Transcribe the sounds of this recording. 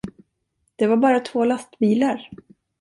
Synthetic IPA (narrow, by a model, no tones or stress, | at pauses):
d̪̥ɛvaɾbɑːɾat̪ʰvoːlast̪biːlaɾ